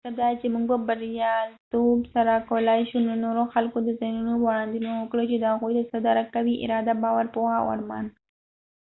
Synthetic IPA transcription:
t̪ad̪ɑt͡ʃemuɡ̚babaɾjɑlt̪obsaɾakowlajʃunonoɾoxalkod̪əzajnunobaɽɑnd̪inowəkɽot͡ʃed̪əhaɣujd̪əsad̪ɑɾakːawiʔɪ̰ɾɑd̪abɑwaɾpohawa̰ɾmɑ̰n

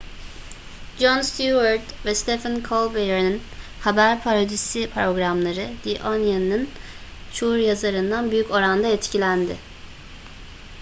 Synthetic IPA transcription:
d͡ʒonst̪uaɾt̪vɛst̪ʰɛfankʰolˠbejeɾnin | habæɾpʰaɾod̪isipʰɾo̞ɡɾamlˠaɾɯd̪iʔonjaninɯn | t͡ʃʰouɾjazaɾɯnd̪anbyjyco̞ɾand̪aɛt̪cʰilʲænd̪ɪ

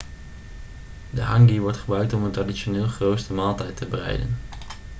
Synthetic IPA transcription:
dəɦɑŋɡiʋɔɹtχəbrœɥk̚tɔməntradiʃonɪːlˠχrowtstəmaːlˠtɛjtəbərɛ̰jdə̰n

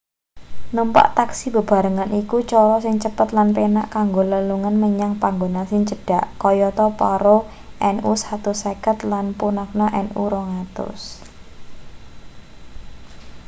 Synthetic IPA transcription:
numpa̰ʔt̪aksibəb̥a̤ɾəŋanʔikut͡ʃɔɾɔsɪŋt͡ʃəpət̪lanpena̰ʔkaŋɡoləluŋanməɲaŋpaŋɡonasɪŋt͡ʃəɖ̥aʔkɔjɔt̪ɔpɔɾo | ʔɛnʔusat̪ʊsɛkət̪lanpunak̚nɔʔɛnṵɾɔŋat̪ʊ̰s

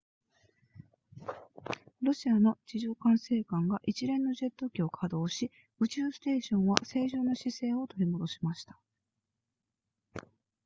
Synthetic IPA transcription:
ɾo̞ɕiano̞t͡ɕiʑoːkãɰ̃se̞ːkãŋɡaʔit͡ɕiɾẽ̞nːo̞ʑe̞t̪ːo̞kʲio̞kʰad̪o̞ːɕi | ɯ̟t͡ɕɨːsɨ̥t̪e̞ːɕõ̞ɰ̃βa̰se̞ːʑoːnːo̞ɕise̞ːo̞t̪o̞ɾʲimo̞d̪o̞ɕi̥maɕi̥t̪ḁ

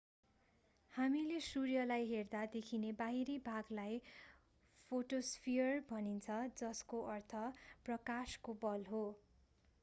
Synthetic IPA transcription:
hamilesurjʌlajɦerd̪ad̪ekʰinebaɦiɾebʱaɡlaj | pʰoʈospʰijʌrbʱʌnint͡sʰʌd͡zʌskoʔʌrt̪ʰʌprʌkaskobʌlɦo

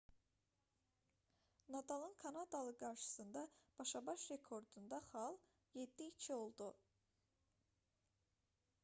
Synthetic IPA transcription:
nɑd̪ɑlˠɯnkʰɑnɑd̪ɑlˠɯɡɑɾʃɯ̥sɯnd̪ɑb̥ɑʃɑbɑʃɾe̞kʰo̞ɾd̪und̪ɑχɑlˠ | je̞d̪ːiːt͡ʃʰio̞lˠd̪u

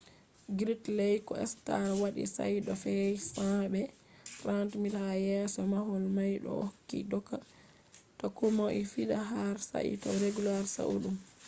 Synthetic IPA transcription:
ɡɾitlɛjkɔɛ̰stawaɗḭsa̰jɗɔfɛjsabɛ | rantmitajɛsɔmaɦɔlmajɗɔ̰kːḭdɔkːa | tɔkumoʔifiɗaɦaɾsa̰ʔḭtɔwɾeɡulaɾsa̰ʔṵɗum

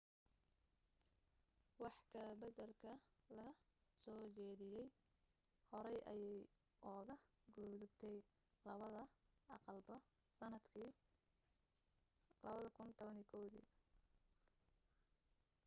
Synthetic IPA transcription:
wɑħkʰɐbɐðɐlkʰɐlɐsɔːt͡ʃɛːðɪjɛj | hɔɾɛjʔɐ̰jɛj | ʔɔɣɐ | ɡuːðʊbt̪ʰɛj | lɐɐðɐʔɑqɑlbɔ | sɐnɐd̪ʰ | lɐβɐðɐkʰʊnt̪ʰɔβɐnikʰɔwðḭː

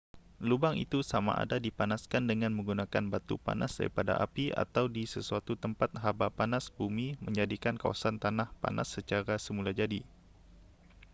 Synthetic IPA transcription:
lubaŋḭt̪usama̰ʔa̰dadipanaskandəŋanməŋɡunakanbat̪ṵpa̰nʔasda̰ɾḭpada̰ʔa̰pia̰t̪awdisəsuat̪ut̪əmpat̪̚ɦabapanasbumiməɲd͡ʒadikanka̰wa̰sant̪anahpa̰na̰sːət͡ʃaɾasəmulad͡ʒadi

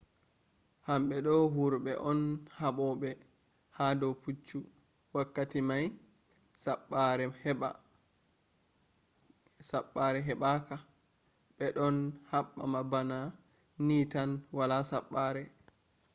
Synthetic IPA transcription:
hamɓɛɗɔɦuɾɓɛʔɔnhaɓɔɓɛ | hadɔput͡ʃːu | wakːatimaj | saɓːaɾɛhɛɓa̰ | saɓːaɾɛɦɛɓaka | ɓɛɗɔnhaɓːa̰mabana | niːtanwalasaɓːaːɾɛ

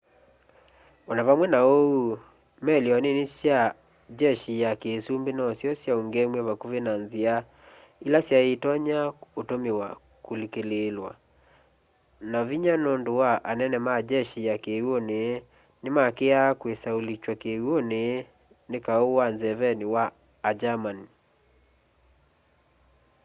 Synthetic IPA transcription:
ɔnaβamwɛnaou | mɛliɔnenesja | d͡ʒɛʃijakesumbenɔsjɔsjaoŋɡemwɛβakuβenanzia | ilasjaetɔɲaotomewa | kolikelelwa̰ | naviɲanɔndowaʔanɛnɛmad͡ʒɛʃiakewone | nemakeakwesaulit͡ʃwakewone | nekaowanzɛvɛniwaː | d͡ʒamani

